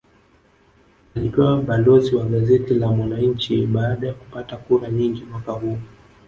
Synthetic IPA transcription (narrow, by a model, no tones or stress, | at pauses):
alikɛwaɓalɔziwaɠazɛtilamwanaɲ̩t͡ʃiɓaːɗajaku̥patakuɾaɲiŋɡimwakahuː